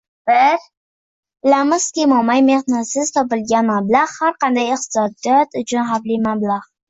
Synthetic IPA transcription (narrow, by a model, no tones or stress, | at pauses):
b̥ɪɾ | lamʊsk̪ʲemɒmajmehnasɪz̥t̪ʰɒpɪlɡʲanmablˠaʁhaɾqɑnd̪ajɪq̚t̪ɪ̥sɒd̪ijɒt̪ʊt͡ʃʰʊnɦaflɪmablaʁ